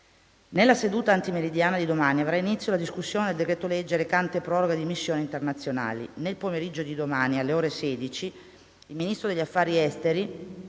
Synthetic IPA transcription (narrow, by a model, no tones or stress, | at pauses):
nelːased̪uːt̪aːnt̪imeɾid̪jaːnad̪id̪omaːniavɾainit̪sːjolad̪iskusːjoːned̪eld̪ekɾet̪oled͡ʒːelekant̪epɾɔːɾoɡed̪imisːjoːnint̪ernat̪sːjona̰ːlḭnelpomeɾid͡ʒːod̪id̪omaːnialːeoːɾesɛːd̪it͡ʃiː | lminist̪ɾod̪eʎːafːaːɾiɛst̪eɾi